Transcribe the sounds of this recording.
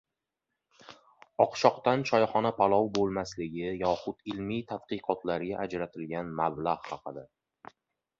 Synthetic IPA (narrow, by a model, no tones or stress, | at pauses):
ɒqʃɒqt̪ant͡ʃʰɒjχɒnapʰalˠɒwbolˠmaslɪɡʲɪjɒχʊt̪ɪlmijt̪ʰad̪̥̚qɨqʰɒt̪laɾɡʲaʔad͡ʒɾat̪ʰɪlɡʲanmablaʁhɑqʰɨd̪a